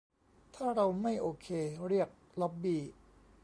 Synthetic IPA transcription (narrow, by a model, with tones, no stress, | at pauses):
t̪ʰaː˥˩ɾa˧wma˥˩jʔoː˧kʰeː˧ɾi˥˩ək̚ | lɔ˦˥p̚biː˧˩